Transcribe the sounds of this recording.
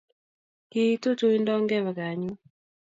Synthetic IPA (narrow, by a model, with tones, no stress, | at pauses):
ki˦i˦to˦t͡ʃo˦i˦ndɔ˦ŋɡɛ˦βa˨ɡa˨ɲu˦